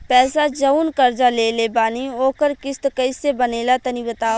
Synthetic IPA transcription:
pɛːsad͡ʒɐunkɐɾd͡ʒaleːlebaːnioːkəɾkɪst̪kɐɪsebɐneːlat̪ɐnibət̪aː

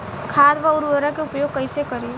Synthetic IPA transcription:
kʰaːd̪ʋaʊɾʋəɾakeʊpjoːɡ̚kɐisekɐɾiː

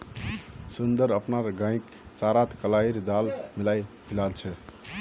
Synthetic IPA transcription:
sund̪əɾəpnaɾɡãĩk | t͡ʃaɾat̪kəlaiɾd̪almilajpʰilalt͡ʃʰɛ

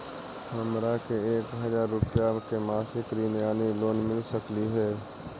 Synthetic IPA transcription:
hɐmɾakeeːkɦɐzaːɾːʊpjakemaːsɪkɾiːnjaːniloːnmɪlsəkliɦɛː

